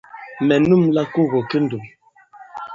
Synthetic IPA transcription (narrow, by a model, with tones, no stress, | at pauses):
mɛ˨nu˦˨mla˦ku˦˨ɣɔ˨ke˦n̩˨du˨m